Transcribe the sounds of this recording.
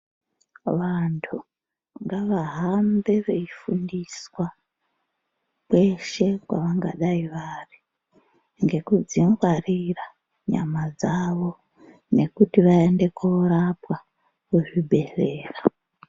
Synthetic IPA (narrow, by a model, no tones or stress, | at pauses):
ʋantʰu | ŋɡaʋaɦambe̞ʋeifundiswa | kwe̞ʃe̞kwa̰ʋaŋɡa̰ɗaiʋari | ŋɡe̞kud͡ziŋɡwarira | ɲa̰mad͡zaʋo̞ | ne̞kutiʋae̞nde̞koɾapwa | kuʐibʱe̞re̞ːra